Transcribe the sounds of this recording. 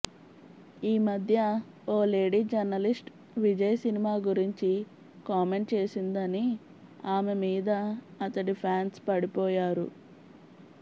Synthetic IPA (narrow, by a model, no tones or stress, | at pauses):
iːmɐd̪ʱjɐ | oːle̞ːɖiːd͡ʒɐɾnɐlisʈ | ʋid͡ʒɐjɐsinimaːɡuɾiɲt͡ʃi | kaːme̞ɳʈt͡ʃe̞ːsind̪ɐni | aːmemiːd̪ɐɐt̪ɐʈipʰaːnspɐɽipɔːjaːɾṵ